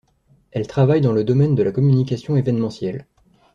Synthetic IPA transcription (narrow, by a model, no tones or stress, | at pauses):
ɛlt̪χavajd̪ɑ̃ləd̪ɔmɛnd̪əlakɔmynikasjɔ̃evɛnmɑ̃sjɛl